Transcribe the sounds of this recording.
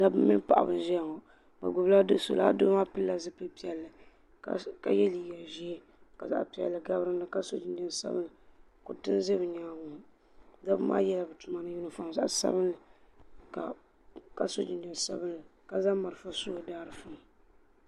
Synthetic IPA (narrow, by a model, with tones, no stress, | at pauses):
da˦bɨ˦mɪ˦pa̰˨ʔa̰˨bɨ̰˨˦ʒɛ˦a˨ŋɔ˨ | ba̰˨ɡʊ˨bla˦dɨ˦so̰˨la̰˦do˦ma˦pɨː˦a˨zɨ˦pɨ˦pi˦ɛ˨lːɨ˨˦ | ka̰˨jɛ˦li˨jɛ˨ʒi˦e˦ | ka˨za̰˦ʔpi˨˦ɛ̰˨lːɨ˨ɡa˦bɾɨ˦nɨ˦ka˦so̰˦d͡ʒɪ˨n˦dɨ˦n˨sa̰˦bɨ˦n˦ɨ˨ | ko̰˨tɨ˦n˦ze˦bɨ˨ni˨ŋa˨ŋʊ˨ | da˦bɨ˦mʔa̰ː˦jɛ˦la˨bɨ˨tu˨ma˦nɨ˦ji˦nɨ˦fa˨ŋ˨za˦ʔsa̰˦bɨ˦nlɨ˨ka̰˨ | ka˦so˦d͡ʒi˨ndɨ˦n˨sa̰˦bɨ˦nlɨ˨ka˨za˦ma˨ɾɨ˨fa˦so˦˨daː˦ɾɨ˨fʊ˨ŋ˨